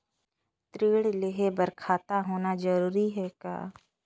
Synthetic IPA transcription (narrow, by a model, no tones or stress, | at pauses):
t̪ɾiːɽleɦebəɾkʰaːt̪aɦoːnad͡ʒəɾuːɾiɦɛːka̰ː